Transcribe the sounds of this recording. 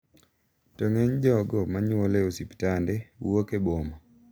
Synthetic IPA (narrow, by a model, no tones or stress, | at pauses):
tɔŋeɲd͡ʒɔɡɔmaɲɔleosiptandɛwokebomɔ